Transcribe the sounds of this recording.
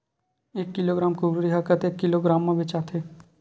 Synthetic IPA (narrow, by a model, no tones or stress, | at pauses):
eːkːɪloːɡɾaːmkʊbɾɾiɦakət̪eːkːɪloɡɾaːmːẽbʱet͡ʃaːt̪ʰe